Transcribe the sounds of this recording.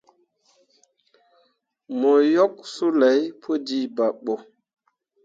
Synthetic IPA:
mo˨jɔ˦k̚su˦la˨˦jpʰo˦di˦˨ba˨ɓo˨

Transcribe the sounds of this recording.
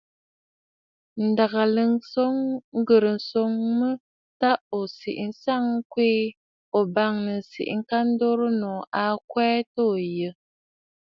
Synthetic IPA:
n̩˨da˨ɣa˨lə˨so˦ŋŋ̩˦ɡə˨ɾə˨n̩˨so˨˦ŋmə˦ | ta˦o˨sḭ˨ʔn̩˦sa˦˨ŋ˦kweː˦ | o˨ba˦˨ŋnə˨sḭ˨ʔŋ̩˦ka˦n̩˦do˦ɾə˦nɔ˨a˨˦kwɛː˦to˦˨jə˨

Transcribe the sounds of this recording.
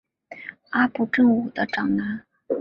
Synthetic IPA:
a˥pu˥˩ʈ͡ʂɤ˥˩ŋu˨˩d̪ə˦ʈ͡ʂɑ˨˩ŋna˧˥n

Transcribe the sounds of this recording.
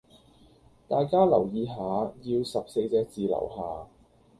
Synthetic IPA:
t̪aː˨jkaː˥lɐ˨˩wjiː˨˧ɦaː˨˧˥jiː˧wsɐ˨p̚se˧jt͡sɛː˧k̚t͡siː˨lɐ̰˨˩wɦaː˨˩

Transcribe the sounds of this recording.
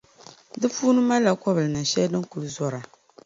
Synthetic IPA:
dɨ˦fuː˦nɨ˦ma˦lːa˨kɔ˦bɨ˨lɨ˨nɨ˨n˨ʃɛ˦ldɨ˦ŋ˦ku˨lɨ˦zɔ˦ɾa˨

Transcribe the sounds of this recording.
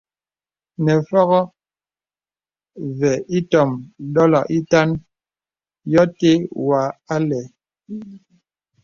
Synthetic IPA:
nɛ˨fɔ˦ɣɔ˦ | vɛ˨i˦tɔ˦˨mɗɔ˦lɔ̰˨i˦ta˦n | jɔ˦te˦wa˨a˦lɛ˨

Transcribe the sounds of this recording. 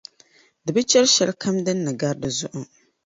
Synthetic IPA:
dɨ˨bɨ˦t͡ʃɛ˦lʃɛ˦lkʰa˦mdɨ˦nːɨ˨ɡa˦ɾdɨ˨zʊ˦ʔʊ˨

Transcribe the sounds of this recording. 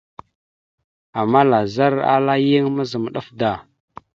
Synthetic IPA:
a˨mːa˦la˨za˦ɾa̰˦la˦ji˦ŋmə˦zə˨m˨ɗa˦fda˨

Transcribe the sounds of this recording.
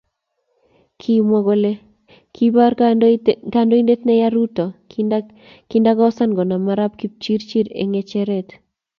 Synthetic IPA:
kʰi˦mo˨ɡo˦le˦ | kʰibaɾ | kando˦i˦nde˦t̪nɛ˦ja˦ɾutɔ˨ | kinda˦ɡɔ˦sa˦nɡɔ˨na˨maɾa˦p̚ki˦p̚t͡ʃi˦ɾt͡ʃi˦ɾḛ˨ŋɛt͡ʃɛɾet

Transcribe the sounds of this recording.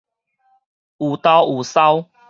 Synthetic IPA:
u˨˩t̪a˦wu˨˩sa˦w

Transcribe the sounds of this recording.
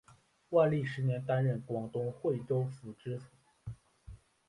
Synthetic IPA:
wa˥˧li˥˩ʂɻ̩˧˥njɛ˧˥nt̪a˥nɻə˥˩nkwɑ˨˩ŋt̪ʊ˥ŋxwe˥˩ɪʈ͡ʂo˥ʊfu˨˩ʈ͡ʂɻ̩˥su˨˩˦

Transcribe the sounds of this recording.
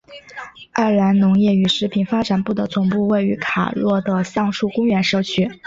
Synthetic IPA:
a˥˩la˧˥nnʊ˧˥ŋjɛ˥˩y˧˥ʂɻ̩˧˥pʰi˨˩nfa˥ʈ͡ʂa˨˩npu˥˩d̪ə˩t͡sʊ˨˩ŋpu˥˧we˥˩ɪy˧˥kʰa̰˨˩lwɔ˥˩d̪ə˩ɕjɑ˥˧ŋʂu˥˩kʊ˥ŋɥɛ˧˥nʂɤ˥˧t͡ɕʰy˥˩

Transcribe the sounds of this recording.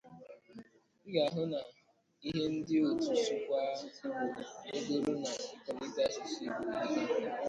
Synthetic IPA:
i˦ɡa˨ɦʊ˦na˨ | i˦ɦe˦n̩˦dɪ˦o˨tu˨t͡ʃu˦kʷa˦˨o˦do˦ɾu˦na˨i˨kɔ˨ɾi˦ta˦˨si˨ʃi˦˨a˦˨

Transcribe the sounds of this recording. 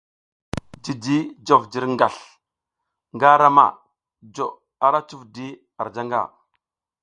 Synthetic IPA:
d͡ʒi˨di˦d͡ʒo˨vd͡ʒi˦ɾŋɡa˨ɬ | ŋɡa˦ɾa˦ma̰˨ | d͡ʒo˨ | a˦ɾa˦t͡ʃu˦vdi˦ | a˨ɾd͡ʒa˦ŋɡa̰˨

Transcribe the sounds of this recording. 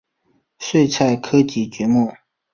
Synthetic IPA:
ʂwe˥˧ɪt͡sʰa˥˩ɪkʰɤ˥t͡ɕi˧˥t͡ɕɥɛ˧˥mu˥˩˨

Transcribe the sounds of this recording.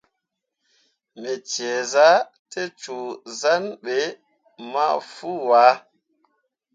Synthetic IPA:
mɛ˨t͡ʃɛ˨za˦ | te˦t͡ʃu˨za˦nɓe˨˦ | ma˦fu˦waː˨˦

